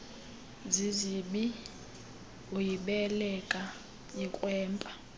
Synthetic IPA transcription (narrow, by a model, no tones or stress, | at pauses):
ziziɓi | ojiɓɛlɛkʼa | jikʼwɛːmpʼa